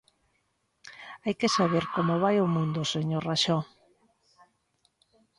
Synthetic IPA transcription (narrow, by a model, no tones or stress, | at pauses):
ajkesaβ̞eɾkomoβ̞ajomũnd̪ʊseɲoraʃɔ